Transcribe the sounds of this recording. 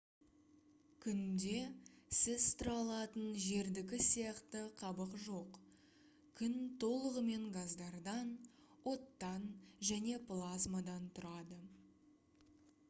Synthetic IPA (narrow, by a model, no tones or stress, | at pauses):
kʲʰʏnd̪e̞sɪzt̪ʊɾɑlˠɑt̪ənʒe̞ɾd̪ɪkʲɪsijɑqt̪əqʰɑbəqʒo̞q | kʲʰʏnt̪ʰo̞lˠəʁəme̞ŋɡazd̪ɑɾd̪ɑn | wo̞t̪ːɑnʒæne̞plˠazmad̪ɑnt̪ʰʊɾɑd̪ə